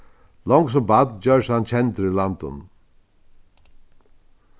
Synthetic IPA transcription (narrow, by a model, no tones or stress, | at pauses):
lɔŋks̬ɔbad̪d͡ʒœːsant͡ʃʰɛnt̪əɾɪland̪ə̰n